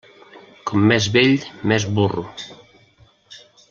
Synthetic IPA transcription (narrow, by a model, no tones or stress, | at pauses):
kɔmːɛzβeʎmɛzβuru